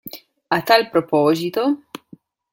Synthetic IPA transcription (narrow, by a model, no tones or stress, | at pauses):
at̪ːalpɾopɔːzit̪o